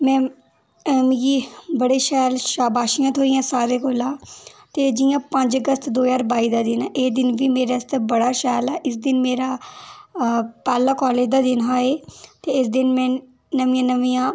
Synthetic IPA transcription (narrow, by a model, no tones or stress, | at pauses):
mɛ̃ː | mĩɡiːbəɽeːʃɛːlʃaːbaːʃijãːt̪ʰoːijãːsaːɾeːkolãːt̪eːd͡ʒɪjãːpə̃ɲd͡ʒəɡəst̪d̪oːjaːɾbaːiːd̪aːd̪ɪnɛːʔeːd̪ɪnʋiːmeːɾaːst̪ebəɽaːʃɛːlɛːʔɪsd̪ɪnmeːɾaː | pɛːlaːkɔːleːd͡ʒd̪aːd̪ɪnɦaːeːt̪eːɪsd̪ɪnmɛ̃ː | nəʋiːãːnəʋiːãː